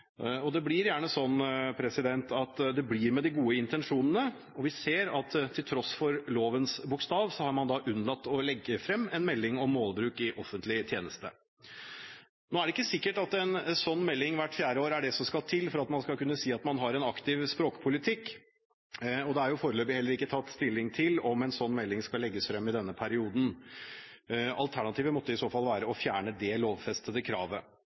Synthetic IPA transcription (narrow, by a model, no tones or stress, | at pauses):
ɔd̪ɛblɪɾjæːɳəsɔnːpʰɾɛsɪd̪ɛnt̪ɑt̪d̪ɛblɪɾmɛd̪ɪɡuːəɪnt̪ɛnʂuːnənə | ɔʋɪseːɾɑt̪t̪ʰɪlt̪ʰɾɔsfɔɾloːʋənsbʊkst̪ɑːʋsɔhɑɾmɑnd̪ɑʔʉnːlɑt̪ːɔlɛɡːəfɾɛmːɛnmɛlːɪŋɔmːoːlbɾʉːkɪʔɔfːənt̪lɪt̪ʰjeːnəst̪ə̰ | noːæɖɛɪkːəsɪkːəʈɑt̪ɛnsɔnːmɛlːɪŋʋæʈːfjæːɾəoːɾæɖɛsɔmskɑlt̪ʰɪlfɔɾɑt̪mɑnskɑlkʉnːəsiːɑt̪mɑnɦɑɾɛnɑkt̪ɪʋspɾoːkə̥pʰʊlɪt̪ʰɪkː | ɔd̪ɛhæɾjʊfoːɾəløːbɪhɛlːəɾɪkːət̪ʰɑt̪ːst̪ɪlːɪŋt̪ʰɪlɔmɛnsɔnːmɛlːɪŋskɑlɛɡːəsfɾɛmːɪd̪ɛnːəpʰæɾɪuːd̪n̩ | ɑlt̪ʰæɳɑt̪ʰiːʋəmɔt̪ːəɪsoːfɑlʋæːɾəɔfjæːɳəd̪ɛloːʋfɛst̪əd̪əkʰɾɑːʋə